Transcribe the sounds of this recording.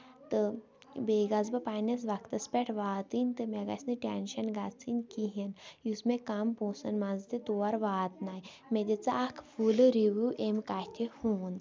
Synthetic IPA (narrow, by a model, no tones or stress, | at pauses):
t̪ɨ | beɡazbɐpanɐsʋakt̪ɐspʲeʈʰʋaːt̪inʲt̪ɨmeɡa̰sʲnɨʈʲenʃɐnɡat͡sinkiɦenjusmekamposɐnmazt̪et̪oːaɾʋaːt̪naj | med̪ʲet͡saakʰfulɨɾiʋuʔemkaht̪ʲʰehuːn